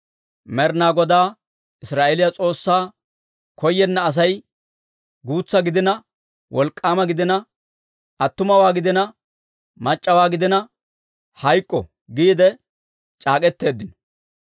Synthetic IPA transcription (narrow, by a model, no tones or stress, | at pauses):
mɛɾnaːɡɔd̪aː | ʔɪsɾaːʔelɪjɐt͡sʼo̞ːsːaː | kʰɔjːɛnːɐːs̬ɐj | ɡuːt͡sːɐɡɪd̪ɪnɐ | wʔɔlkʼːaːmɐɡɪd̪ɪnɐ | ʔɐt̪ːʊmɐwaːɡɪd̪ɛnɐ | mɐt͡ʃʼːɐwaːɡɪd̪ɛnɐ | hɐjkʼːɔ̰ | ɡiːd̪ɛ | t͡ʃʼaːkʼɛt̪ːe̞ːd̪ːɪnɔ̥